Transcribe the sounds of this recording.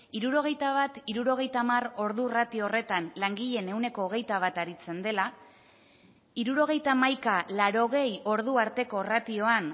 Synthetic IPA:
iɾuɾo̞ɣ̞e̞jt̪aβ̞at̪iɾuɾo̞ɣ̞e̞jt̪amaro̞ɾðurat̪io̞ːre̞t̪anlaŋɡiʎe̞ne̞wne̞ko̞ːɣ̞e̞jt̪aβ̞at̪aɾit͡se̞nd̪e̞la | iɾuɾo̞ɣ̞e̞jt̪amajkalaɾo̞ɣ̞e̞jo̞ɾðuaɾt̪e̞ko̞rat̪io̞an

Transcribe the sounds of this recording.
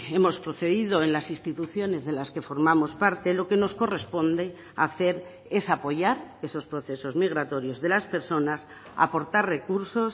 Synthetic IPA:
e̞mo̞spɾoθe̞ðiðo̞enlasist̪it̪uθjo̞ne̞zðe̞laske̞fo̞ɾmamo̞spaɾt̪e̞lo̞ke̞no̞sko̞re̞spo̞nd̪e̞ | aθe̞ɾ | e̞sapo̞ʝaɾe̞so̞spɾo̞θe̞so̞zmiɣ̞ɾat̪o̞ɾjo̞zðe̞laspe̞ɾso̞nas | a̰po̞ɾt̪arre̞kuɾso̞s

